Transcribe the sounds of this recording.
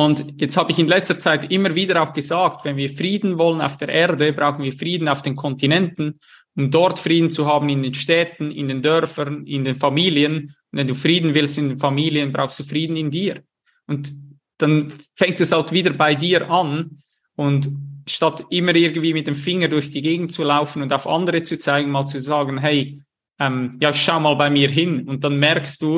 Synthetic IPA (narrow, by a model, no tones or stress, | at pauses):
ʊndjɛt͡sthaːbəɪçɪnlɛt͡stət͡saɪtɪmːəviːdəɾaʊxɡ̥əzaːktvɛnviːɾfriːdn̩vɔləna̰ʊfd̥eːɾʔɛːɐdəbʁaʊxn̩viːfriːdn̩aʊfd̥eːnkʰɔntinɛntn̩ | ʊmdɔɾtfriːdn̩t͡suhaːbn̩ɪndeːnʃtɛːtn̩ɪ̰ndeːndœɾfənɪndeːnfamiːliənʊntvɛnduːfriːdn̩vɪlstɪndeːnfamiːliənbʁa̰ʊxstd̥uːfriːdn̩ɪndiːɾ | ʊnt | d̥anfɛŋtɛshaltv̥iːdəbaɪdiːɾʔan | ʔʊntʃtatɪməɾɪɡən̩dv̥iːmɪt̚d̥eːmfɪŋədʊɾçd̥iːɡeːɡŋn̩t̚t͡sulaʊfən̩ʊndaʊfa̰ndəɾət͡sut͡saɪɡn̩maːlt͡suzaːɡn̩ɦɛɪ | ʔɛmjaːɪçʃaʊmaːlbaɪmiːɐɦɪnʊnt̚d̥anmɛɾksd̥uː